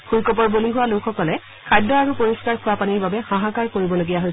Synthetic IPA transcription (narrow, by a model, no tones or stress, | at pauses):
xuɹkɔp̬ɔɹboliɦuwalʊkʰxɔkɔlɛ | kʰajdɔaɹupoɹiskaɹkʰʊwapaniɹbabɛxãɦakaɹkoɹibɔloɡijaɦojs